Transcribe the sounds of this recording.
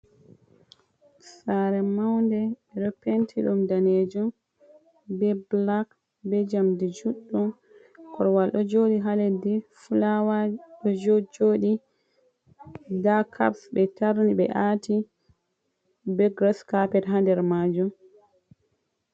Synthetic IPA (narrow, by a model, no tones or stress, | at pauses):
saɾɛmawndɛɛɗɔpentʰiɗumdaned͡ʒum | bɛblak | bɛd͡ʒamdid͡ʒuɗːɔ | kʰɔɾwalɗɔd͡ʒoɗiɦaledifulawaɗɔd͡ʒod͡ʒoɗi | dakʰa̰psbɛtaɾniɓɛ̰ʔati | bɛɡɾɔskapɛtɦandɛɾmaːd͡ʒum